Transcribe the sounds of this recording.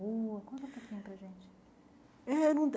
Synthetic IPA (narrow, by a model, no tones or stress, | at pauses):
uɐkwɐ̃nt̪ɛ̃pokʰĩɲʊpɾɐʒẽnt͡ʃɪ̥ | ɛnɐ̃d̪